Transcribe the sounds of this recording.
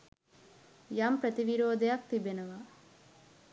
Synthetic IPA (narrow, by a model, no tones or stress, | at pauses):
jampɾɐt̪iʋiɾoːd̪ejak̚t̪ibenɐʋa